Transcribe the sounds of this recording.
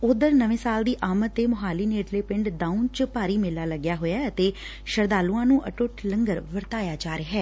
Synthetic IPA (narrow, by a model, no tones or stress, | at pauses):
ʊd̪əɾnəʋẽːsaːld̪iːʔaːmət̪ːeːmʊɦaːliːneːʈleːpɪɳɖɖãːunt͡ʃpaːɾiːmɪlaːləɡjaːɦoːjaːət̪eː | ʃəɾd̪aːluːãːnũːʔəʈʊʈləŋɡəɾʋəɾt̪aːjaːd͡ʒaːɾeɦɛː